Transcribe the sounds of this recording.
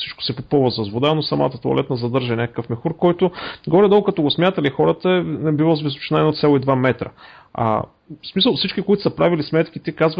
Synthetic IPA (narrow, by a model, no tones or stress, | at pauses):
si̥t͡ʃkʊ̥sɛpopɔvəzɐzvod̪anosɐma̰t̪ət̪oɐ̰lɛt̪nəzɐd̪ɤɾʒənʲakə̥kəfmixuɾkɔjt̪ʊɡɔɾɛd̪ɔɡkɐt̪ɔɡosmʲjat̪əlixɔɾət̪əɛnɛbivozvizʊt͡ʃnaɛnot̪sʲjalˠoid̪vamɛt̪ɾə̰ | a̰ | smisəlˠfsit͡ʃkʲikoit̪ʊ̥sɐpɾavilismɛt̪k̟it̪ikazv